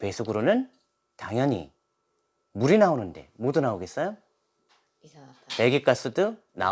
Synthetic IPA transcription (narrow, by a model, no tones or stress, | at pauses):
pe̞sʰuɡɯɾonɯn | taŋjʌɲḭ | muɾinaonɯnde̞̰modunaoɡe̞s͈ʌjo | pe̞ɡik͈as͈ɯdɯ | na̰